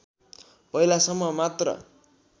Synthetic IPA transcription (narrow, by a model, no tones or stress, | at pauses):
pʌjlasʌmʌmat̪rʌ̰